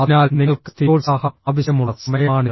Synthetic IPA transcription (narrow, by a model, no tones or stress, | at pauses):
ɐnaːlniɐɭkɨ̥t̪ioːlsaːhɐɐːʋɐɕɐmuɭːɐsɐmɐjɐːɳi